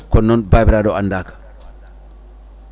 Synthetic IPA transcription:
kɔnːɔnbaːbiɾadɔandakḁ

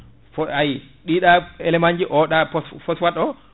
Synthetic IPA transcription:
fɔaj | ɗiːɗaɛlɛmaɲd͡ʒiʔɔɗapɔsfɔswatɔ

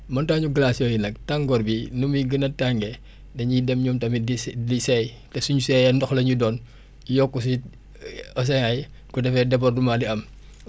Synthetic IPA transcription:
mɐntaːɲuɡlasjɔjinɐk̚taŋɡɔɾbinumiɡənɐtaŋɡɛ | dɐɲidɛmɲumtɐmidisɛj | tɛsuɲusɛjɐndɔxlɐɲudɔːn | jɔkːus̬i | ɐs̬ɛŋɐj | kudɛfɛdɛpɐrdumadiɐm

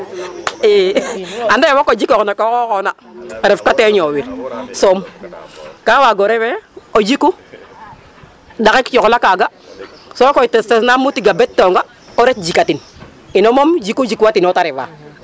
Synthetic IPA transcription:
eandewokod͡ʒikoknakokokona | ɾefkateɲowiɾsom | kawaɡoɾeweod͡ʒiku | dakikt͡ʃoklakaɡa | sokoitesesnamutiɡabetːoŋɡa | oɾet̚d͡ʒikatin | inomomd͡ʒikud͡ʒikuwatinotaɾeva̰

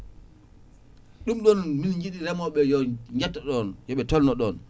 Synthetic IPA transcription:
ɗumɗɔnminɲd͡ʒiɗiɾɛmɔɓɛjɔɲɡatːɔɗɔnjɔɓɛtɔlnɔɗɔn

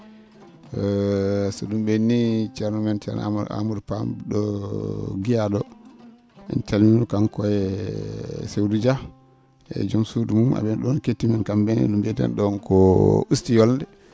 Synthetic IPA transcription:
sɔɗumbenːit͡ʃɛɾnamɛnt͡ʃɛ̰na̰a̰mudpamɗɔ | ɡijaɗɔ | ɛ̰nt͡ʃalminukankɔɛ | sewdud͡ʒa | ɛ̰d͡ʒumsudumuma̰ɓɛnɗɔnketːimankambenḭɗumbɛtɛ̰nɗɔnkɔustijɔlndɛ

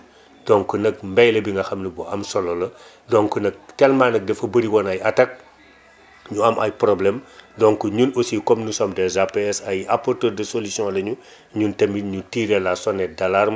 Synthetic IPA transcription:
d̥ɔŋkunɐk̚mbɛjlɐbiŋɡɐxɐmnibɔʔɐmsɔlɔlɐ | dɔŋkunɐk̚tɛlmaːnɐk̚dɛfɐbəɾiwɔnɐjɐtɐk̚ | ɲuɐmʔɐ̰jprɔblɛmdɔŋkuɲunosikɔmnusɔmdɛzapeɛsɐjɐpɔrtəːdɐsolusiɔ̃lɐɲu | ɲuntɐmiɲutiːɾɛlasɔnɛdɐlarm

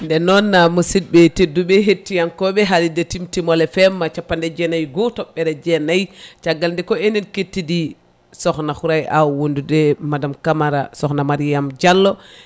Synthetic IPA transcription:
ndɛnɔnːamusid̚ɓɛtedːuɓɛɦetːijankɔɓɛɦaɾidetimtimɔlɛfɛmːat͡ʃapːandɛd͡ʒɛnajɡɔtɔɓːɛɾɛd͡ʒɛnajt͡ʃaɡalndɛkɔeninketːidi | sɔxnaxuɾajʔawondudɛmadamkamaɾasɔxnamaɾijamd͡ʒalːɔ

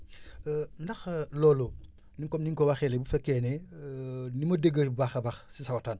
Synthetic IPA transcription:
ndɐxlɔːlu | niŋkɔmniŋkɔwaxɛːlɛbufɛkːɛnɛ | nimɐdeɡəbaxɐbɐxsisɐwɐtaːn

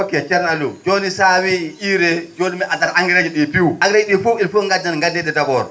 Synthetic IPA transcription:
wokːiɛt͡ʃɛɾnalud͡ʒonisawiiɾɛd͡ʒonimɛʔadaɾaŋɡiɾad͡ʒiɗipiwʔaŋɡiɾad͡ʒiɗifuilfuŋɡadnanŋɡadnɛɗɛdabɔɾ

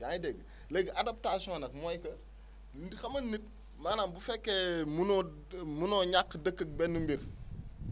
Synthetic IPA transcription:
jajdɛɡ | lɛɡadap̚tasiɔ̃nɐkmɔjkɐ | xɐmɐnːit̚ | manaːnbufɛkːemun | munɔɲakːdəkːək̚bɛnːumbiɾ

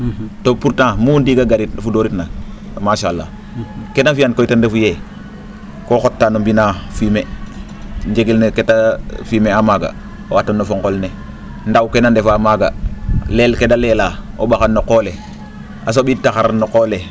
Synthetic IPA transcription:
topuɾtãmundiːɡaɡaɾitfudoɾitna | maʃalːa̰ | kenafijankoitandefuje | koxotːanombinafime | nd͡ʒeɡilneketafimeamaɡa̰ | owatonːofoŋkolne | ndawkenandefamaɡa̰lelkedalelaobaxanːokole | as̬oɓitːaxaɾanokole

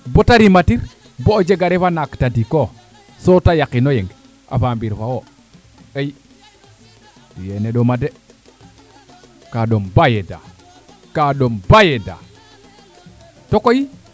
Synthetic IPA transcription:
botaɾimatiɾ | bod͡ʒeɡaɾefanaktadiko | sotajakinojeŋɡ | ʔa̰fambiɾfawo | ej | bijeneɗomade | kaɗombajeda̰ | kaɗombajeda̰ | tokoji

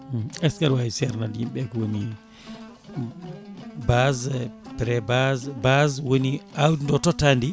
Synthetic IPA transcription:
ɛskaɾwaisɛɾnadjimɓɛkwoni | bazpɾɛbazbazwoniawdndɔtɔtandi

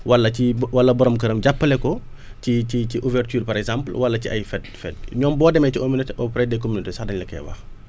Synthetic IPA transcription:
wɐlːɐcibwɐlːɐbɔɾɔmkɐɾəmɟapːɐlɛkɔ | ciciciʔuvɛrtyːrpɐɾɛkzãmplwɐlːɐciʔɐ̰jfɛdfɛd̚ɲɔːmbɔːdɛmɛciʔominoteʔɔpɾɛdɛkomynotesɐxdɐɲlɐkɛ̰wɐ̰x

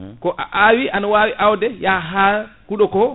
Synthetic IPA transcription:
kɔʔa̰ʔawiʔanawaːwiʔawdɛjaɦakuɗɔkɔ

